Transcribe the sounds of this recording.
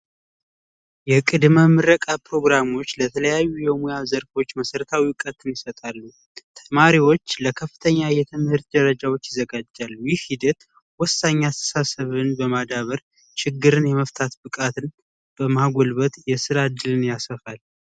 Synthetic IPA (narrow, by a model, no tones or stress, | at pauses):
jɛkʼɨd̪məmɨɾəkʼapɾo̞ɡɾamo̞t͡ʃːlət̪ʰələjajːujɛmojazəɾfo̞t͡ʃːməsəɾət̪ʰawiwkʼət̪ʰːɨnjɪsət̪ʼalːu | t̪ʰəmaɾiwo̞t͡ʃːləkʰəfːɨt̪ʰəɲːajɛt̪ʰɨmhɨɾt̪̚d̪əɾəd͡ʒawo̞t͡ʃːjɪzːəɡad͡ʒːalːujɪhhid̪ət̪ | wɔsːaɲːasə̥sasəβɨnbəmad̪aβəɾ | t͡ʃɪɡːɨɾɨnjɛməft̪ʰat̪bɨkʼat̪ʰɨn | b̥əmaɡo̞lβət̪jɛsɨɾad̪ːɨlɨnjasəfal